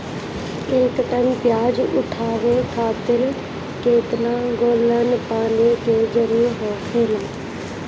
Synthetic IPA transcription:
ekt̪ənpjaːd͡ʒʊ̰ʈʰaːʋeːkʰaːt̪ɪɾ | keːt̪naːɡoːlənpãːneːkeːd͡ʒəɾuːɾɦoːkʰeːlaː

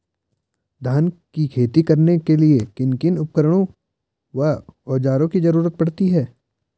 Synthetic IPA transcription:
d̪ʱaːnkikʰeːt̪ikɐɾnekeliekɪnkɪnʊp̚kəɾəɽ̃õ | ʋaɔːd͡ʒaːɾõkizɐɾuːɾət̪̚pɐɽt̪iɦɛː

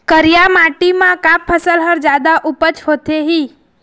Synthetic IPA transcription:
kəɾijamaʈimãkãpʰəsəlɦəɾd͡ʒjaːd̪aʔʊpət͡ʃhot̪eɦiː

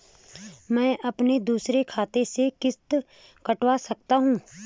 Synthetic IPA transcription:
mɛ̃ːʔɐpned̪uːsɾekʰaːt̪esekɪst̪ | kɐʈʋasɐk̚t̪aɦũː

